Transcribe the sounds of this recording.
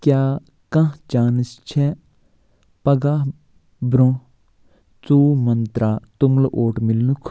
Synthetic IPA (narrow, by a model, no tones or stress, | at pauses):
kjaː | kɐ̃ɦt͡ʃaːnist͡ʃʰe | pɐɡaː | bɾõ | t͡suːmɐnt̪ɾat̪umlɐʔoːʈmilnukʰ